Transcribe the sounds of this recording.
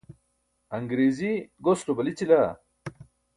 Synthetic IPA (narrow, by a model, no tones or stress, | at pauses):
ɐŋɡɾeːziɡosʈobɐlit͡ɕila